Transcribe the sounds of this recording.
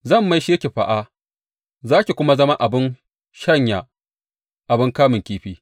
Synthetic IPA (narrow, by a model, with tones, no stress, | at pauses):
zɐ˦˨mːa˦jʃɪ˦kʲe˨ɸa̰˨ʔa˦ | zaː˦kʲi˨kʷʊ˦ma˦zɐ˦ma˦ʔa˨bɪ˦n | ʃɐ˦ɲja˨ | ʔa˨bɪ˦ŋkaː˦mɪ˨kʲiː˦ɸiː˦